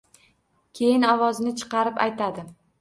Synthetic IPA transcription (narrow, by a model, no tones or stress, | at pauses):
kʲʰe̞jɪnɒvɒznɪt͡ʃʰɨ̥qɑɾɪpa̰jt̪ʰad̪ɪ